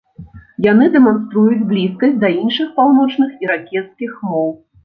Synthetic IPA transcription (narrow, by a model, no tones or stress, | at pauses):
janɨd̪ɛmans̬t̪ɾujud͡zʲblʲiskɐsʲd̪ɐinʂɨxpawnɔt͡ʂnɨxiɾakʲɛt̪skʲixmɔw